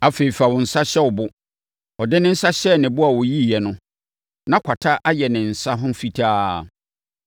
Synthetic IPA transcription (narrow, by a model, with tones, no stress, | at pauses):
a˨feː˨i˨fa˨wʊ̃˨n̩˨sa˦ɕɛ˦wʊ˨bʊ˦ | ɔ˨dɪ̃˦nɪ̃˦n̩˦sa˦ɕɛ˦˨nɪ̃˨bʊ˦a˨wɔ˨ji˦˨jɛ˨nʊ̃˦ | nã˦kʷʰa˨tʰa˦ʔa˦jɛ˨nɪ̃˨n̩˨sa˦ɦʊ̃˦fi˨tʰaː˦˨